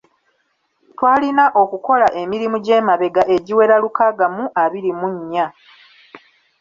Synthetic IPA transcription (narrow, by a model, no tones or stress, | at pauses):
twaːlinaʔo̞kuko̞laʔe̞miɾimuɟe̞ːmaβe̞ɡaʔe̞ɟiwe̞ɾalukaɡamuʔaβiɾimuɲːa